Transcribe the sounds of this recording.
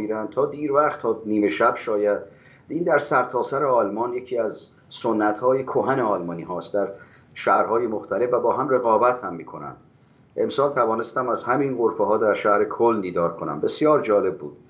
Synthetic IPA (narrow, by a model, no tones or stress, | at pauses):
iːɾænd̪̚t̪ʰɒːd̪iːɾvæχt̪ʰːɒːniːme̞ʃæbʃɒːjæd̪̚ | iːnd̪æɾsæɾt̪ʰɒːsæɾeɒːlmɒːnjecʰiːæz | sonːæt̪hɒːjekʰoɦæneɒːlmɒːniːɦɒːst̪d̪æɾ | ʃæhɾhɒːjemoxt̪ʰæle̞fvæbɒːɦæmre̞ɣɒːbæt̪hæmːiːkʰo̞næ̰nd̪̥ | ʔe̞msɒːlt̪ʰævɒːnest̪æmæzhæminɢoɾfeɦɒːd̪æɾʃæhɾekʰold̪iːd̪ɒːɾkʰo̞næ̰mbe̞sjɒːɾd͡ʒɒːle̞b̚ːuːd̪̥